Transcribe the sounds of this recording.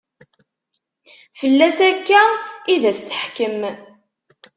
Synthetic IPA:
fəlːæsækːæiðæst̪ə̥ħkəm

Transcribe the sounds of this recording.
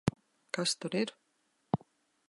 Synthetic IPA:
kast̪ɔɾɪɾ

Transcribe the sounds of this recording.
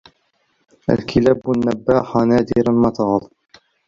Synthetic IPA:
ʔæ̰lkʰilæːbanːæbːaːhanaːd̪iːɾanmɑt̪ɑːlˤ

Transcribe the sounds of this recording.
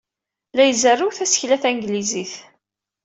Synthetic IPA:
læjzərˤːuwθæsə̥çlæθæŋɡliziθ

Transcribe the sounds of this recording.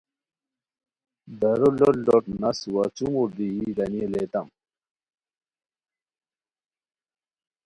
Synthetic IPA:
bɐɾololoʈ̚nɐswat͡sumuɾd̪iiɡɐnielet̪ɐm

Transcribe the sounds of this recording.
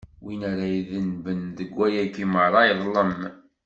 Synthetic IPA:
winæɾajiðənbənðəɡʷːæjækiməɾˤɑjðˤləm

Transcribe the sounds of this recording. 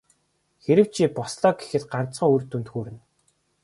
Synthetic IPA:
xeɾɘ̆w̥t͡ɕʰiːpɔsɮɔːɡe̥xɘ̆t̪ɢan̥t͡sχə̆ŋurt̪unt̪xuːɾɘ̆n

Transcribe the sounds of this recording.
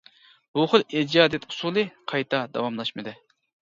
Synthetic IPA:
b̥uχʊlˠid͡ʒɑːd̪ɛt̪usulˠɨqʰɑjt̪ʰɑd̪ɑ̰wɑmlˠɑʃmɨd̪ɨ

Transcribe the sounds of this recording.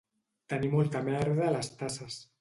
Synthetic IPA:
t̪ənimɔlˠt̪əmɛɾðəaːlast̪asəs

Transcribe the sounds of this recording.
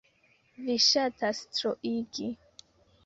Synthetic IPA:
viʃatʰastɾoʔiɡi

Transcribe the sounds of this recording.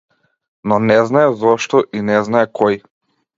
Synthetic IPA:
nɔnɛznaɛzɔʃt̪ɔʔinɛznaɛkʰɔj

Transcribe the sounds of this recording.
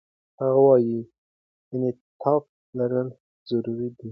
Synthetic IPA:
haɣawɑji | janet̪ʰɑk̚ | laɾəl | z̥aɾuɾid̪i

